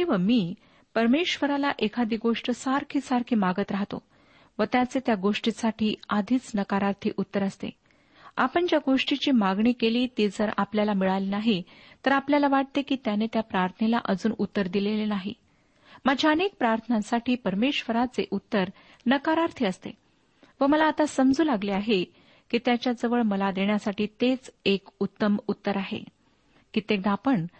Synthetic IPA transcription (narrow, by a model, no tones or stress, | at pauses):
kĩʋamiː | pəɾmeɕʋəɾalaʔekʰad̪iːɡoʂʈəsaɾkʰiːsaɾkʰiːmaɡət̪ɾaɦt̪o̰ | ʋət̪jat͡set̪jaɡoʂʈisaʈʰiːad̪ʱiːt͡snəkaɾaɾt̪ʰiːʔut̪ːəɾəst̪ḛ | a̰pəɳd͡ʑjaɡoʂʈit͡ɕiːmaɡɳikeliːt̪id͡zəɾapljalamiɭajlinaɦi | t̪əɾapljalaʋaʈ̚t̪ekiːt̪janet̪japɾaɾt̪ʰənela̰ʔəd͡zuːnut̪ːəɾd̪ilelenaɦḭ | mad͡ʑʱjaənek̚pɾaɾt̪ʰənãsaʈʰiːpəɾmeɕʋəɾat͡seʔut̪ːəɾ | nəkaɾaɾt̪ʰiəst̪ḛ | ʋəməlaːt̪asəmd͡zuːlaɡliaɦe | kiːt̪jat͡ɕjad͡zəʋəɭməlad̪eɳjasaʈiːt̪et͡sekut̪ːəmut̪ːəɾaɦḛ | kit̪ek̚d̪aːpəɳ